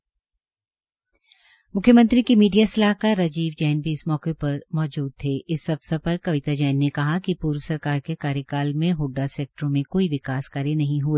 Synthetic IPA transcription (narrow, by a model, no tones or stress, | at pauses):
mʊkʰːjəmɐ̃nt̪ɾikimiːɖijasɐlaːɦkaɾːɐd͡ʒiːʋd͡ʒɛːnbʱiɪsmɔːkepɐɾmɔːd͡ʒuːd̪̚t̪ʰeːʔɪsɐfsapɐɾkɐʋɪt̪ad͡ʒɛːnːekɐɦakipuːɾwəsɐɾkaːɾkekaːɾjəkaːlmẽɦʊɖːasɛːk̚ʈəɾõmẽkoːiʋɪkaːskɐɾenɐɦĩɦueː